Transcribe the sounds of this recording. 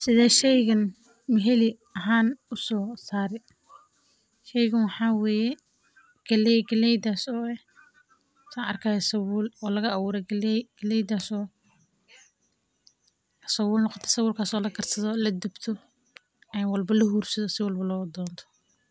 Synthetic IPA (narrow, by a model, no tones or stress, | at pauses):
sɪðɛːʃɛjɣɐn | mɪɦɛlɪ | ɐɦaːnʊsɔːsaːɾɛ | ʃɛjɣɐnwɑħɑːwɛːjɛ | ɡ̥ɐlɛjɡɐlɛjd̪aːsɔːɛ | saɐrkʰaːjɛsɐwʊːlɔːlɐɣɐɐwuːɾɛɡɐlɡ̥ɐlɛjd̪aːsɔː | sɐwʊːlnɔqɔt̪ʰɛ̥sɐwʊːlkʰaːsɔːlɐɡɐrsɐðɔlɐd̪ɪbt̪ʰɔ | ɛjwɑlbɐlɐhuːrsɐðɔsɪwɐlbɐlɔːd̪ɔːnt̪ʰɔ̥